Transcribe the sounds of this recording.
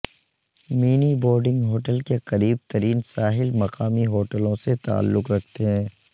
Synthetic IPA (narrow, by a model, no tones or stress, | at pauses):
miːnibɔːɾɖɪ̃ŋɡɦoːʈəlkeqɐɾiːb̚t̪ɐɾiːnsaːɦɪlmɐqaːmiɦoːʈəlõset̪a̰ːlːʊqɾɐk̚ʰt̪eɦɛ̃ː